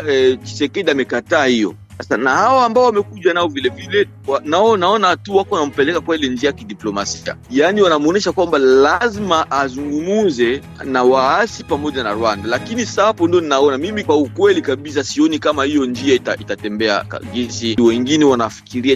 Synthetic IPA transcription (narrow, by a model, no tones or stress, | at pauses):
ɛki̥sɛkɛdiamɛkataːhijɔ̰ | sasanahawɔambaɔwamɛkuʄanaɔvilɛvilɛ | wanaɔnaɔnatuwakɔanam̩pɛlɛkakwailɛnd͡ʒiajakidiplɔmasia̰janiwanamuɔnɛʃakwambalazimaʔazuŋɡumuzɛ | nawaasipamɔʄana̰ɾwandalakinisapɔndiɔninaɔnamimikwaukwɛlikaɓisasiɔnikamahijɔnd͡ʒiaita̰itatɛmbɛa̰ka̰ɡisiwɛŋɡinɛwanafi̥kiɾia